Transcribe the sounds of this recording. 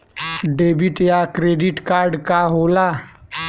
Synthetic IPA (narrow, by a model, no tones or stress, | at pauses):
ɖeːbiʈjaːkɾeːɖiʈkaːɾɖkaːɦoːlaː